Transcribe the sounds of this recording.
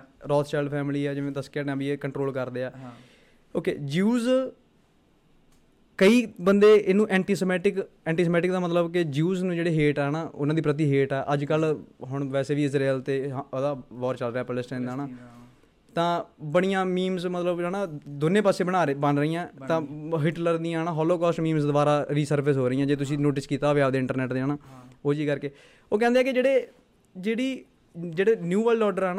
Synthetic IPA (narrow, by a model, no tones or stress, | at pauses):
ɾɔːt̪ʰt͡ʃɛːɖpʰɛːmliːɛːd͡ʒɪʋẽːd̪əskɛːʈãːbieːkəɳʈɾoːlkəɾd̪eːaː | oːkḛːd͡ʒuːz | kəiːbənd̪eːʔɪnũːʔɛ̃ːɳʈiːsəmɛːʈɪk | ɛ̃ːɳʈiːsmɛːʈɪk̚d̪aːmət̪ləbkɪd͡ʒuːznũːd͡ʒeːɽeːɦeːʈɛːnaːʔʊnãːd̪iːpɾət̪̬iːɦeːʈɛːʔəd͡ʒkəlɦʊɳʋɛːseːʋiːɪsɾeːlt̪eːd̪aːʋɔːɾt͡ʃəlɾeaːpəlɪsʈɛ̃ːnd̪aːnaː | t̪ãːbəɽ̃ijãːmiːmsmət̪ləbaːnãːd̪ʊnẽːpaːseːbəɽ̃aːbənɾəiːãːt̪ãːɦɪʈləɾd̪ĩːãːnãːɦɔːloːkɔːsʈmĩːmsd̪obaːɾaːɾiːsəɾpəsɦoːɾəiːãːd͡ʒeːt̪̬ʊs̬ĩːnoːʈɪskiːt̪aɦoʋead̪eːɪ̃ɳʈəɾnɛːʈd̪eːaːnãːoːd͡ʒiːkəɾkeː | oːk̬ɛ̃ːnd̪eɛːkɪd͡ʒeːɽeː | d͡ʒeːɽiː | d͡ʒeːɽeːnjuːʋɛːlɔːɖəɾɦɛːnː